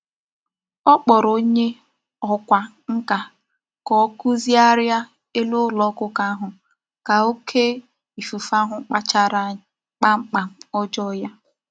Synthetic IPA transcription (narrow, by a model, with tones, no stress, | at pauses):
ɔ˦k͡pɔ˨ɾo˦ɲe˦ | ɔ˦kʷa˨ | ŋ̩˦ka˨ | kɔ˨˦ku˦zi˦a˦ɾja˦ | e˦lo˦lɔ˦kʊ˦ka˦a˦ɦʊ˨ | ka˨o˦kʰe˦ | i˨fu˨fa˦ɦʊ˦k͡pa˦t͡ʃa˦ɾa˦ | k͡pa˦ŋ͡m̩˦k͡pa˨m̩˦ɔ˦d͡ʒɔ˦ja˦